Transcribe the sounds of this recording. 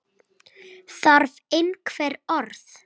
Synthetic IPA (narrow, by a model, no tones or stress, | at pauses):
saɾvejnkʰvɛɾɔɾθ